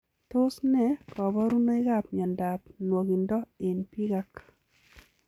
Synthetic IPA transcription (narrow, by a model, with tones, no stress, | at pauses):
tʊ˦snɛ˦kɔ˨βɔ˦ɾu˦no˦ɪ˦ɣa˦˨pɲɔ˨nda˨p̚nwo˨ɣi˨ndɔ˦e˨npi˦ɣa˦k